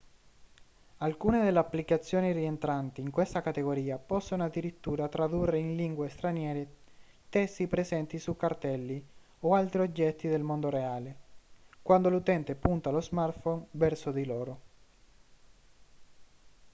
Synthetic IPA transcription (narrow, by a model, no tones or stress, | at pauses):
alkuːned̪elːeapːlikat̪sːjoːnirient̪ɾant̪iːŋkwest̪akat̪eɡoɾiːapɔsːonoad̪ːiɾit̪ːuːɾat̪ɾad̪urːeinliŋɡwest̪ɾanjɛːɾe | t̪ɛst̪ːipɾezɛnt̪isukːart̪ɛlːi | oalt̪ɾiod͡ʒːɛt̪ːid̪elmond̪oɾeaːlekwand̪olut̪ɛnt̪epunt̪alozmart̪fonvɛrsod̪iloːɾo